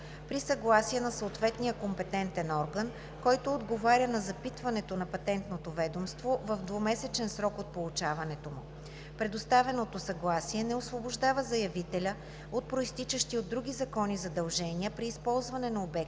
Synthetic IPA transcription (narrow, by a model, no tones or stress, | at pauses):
pɾisɐɡlˠasiɛnɐsoːt̪vɛt̪nijəkompɛt̪ɛnt̪ɛnɔɾɡən | kɔjt̪oːd̪ɡovaɾʲənɐzɐpit̪vɐnɛt̪onɐpɐt̪ɛnt̪not̪ovɛd̪omst̪vovəvd̪vomɛsɛt͡ʃɛnsɾɔkot̪̚polˠut͡ʃavɐnɛt̪omʊ | pɾɛd̪ost̪avɛnot̪osɐɡlˠasiɛnɛosvoboʒd̪avəzɐjɐvit̪ɛlʲə | ot̪̚pɾoist̪it͡ʃəʃt̪iod̪ːɾuɡʲizɐkɔnizɐd̪ɐlˠʒɛniəpɾiːspɔlˠzvɐnɛnɐobɛk̚